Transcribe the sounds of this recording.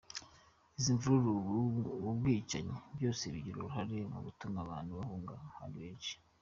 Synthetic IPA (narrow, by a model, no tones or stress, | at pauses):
iziɱvuɾuɾu | ubɡwiːt͡ʃa̰ɲebjo̞ːse̞βiɟiɾuɾuɦaɾe̞mṵβutumaβaːnhuβahoŋɡa̰ha̰ɾiβeːʃi̥